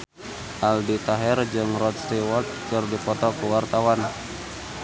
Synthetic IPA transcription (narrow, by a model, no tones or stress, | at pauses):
ʔaldit̪aɦɛrd͡ʒɨŋrɔt̪̚st̪iwɔt̪̚kərdipɔt̪ɔkuwart̪awan